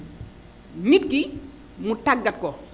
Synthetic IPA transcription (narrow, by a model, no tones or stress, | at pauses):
mit̚ki | mutaɡːɐt̚kɔ